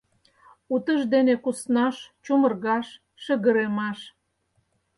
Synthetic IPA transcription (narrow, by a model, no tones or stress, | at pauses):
ut̪əʒd̪enekusnɑʃt͡ɕumə̆rɣɑʃː | ə̆ɣə̆ɾemɑʃ